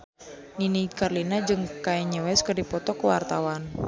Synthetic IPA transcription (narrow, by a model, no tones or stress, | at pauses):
ninikarlinad͡ʒɨŋkajɲəwɛskərdipɔt̪ɔkəwart̪awan